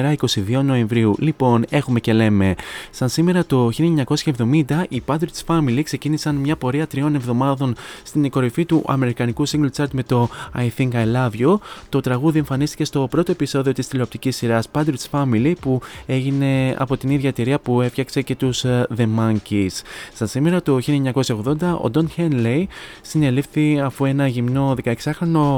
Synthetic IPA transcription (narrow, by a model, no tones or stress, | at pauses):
ɾɐiko̞siðio̞no̞e̞ɱvɾiulipo̞ne̞xume̞ce̞le̞me̞sɐnsime̞ɾɐt̪o̞çilɲɐko̞sçɐevðo̞mind̪ɐʔipɐd̪ɾisfɐmilikse̞cinisɐnmɲɐpo̞ɾiɐt̪ɾio̞ne̞vðo̞mɐðo̞nst̪iniko̞ɾifit̪uʔɐ̰me̞ɾikɐnikusiŋɡolt͡sɐɾt̪me̞t̪o̞ɐ̰jθiŋkɐjlɐvʝot̪o̞t̪ɾɐɣuðie̞ɱfɐnist̪i̥ce̞st̪o̞pɾo̞t̪o̞e̞piso̞ðio̞t̪ist̪ile̞pt̪icisːiɾɐspɐd̪ɾit̪sfɐmilipue̞ʝine̞ɐ̰po̞t̪iniðʝɐt̪iɾiɐpue̞fçɐkse̞ce̞t̪uzðe̞mɐɲcisːt̪ɐsime̞ɾɐt̪oçilieɲɐko̞sçɐo̞ɣðo̞nd̪ɐʔo̰d̪o̞nçenlejsine̞lifθiɐfue̞nɐʝimno̞ðe̞kɐe̞ksɐxɾono̞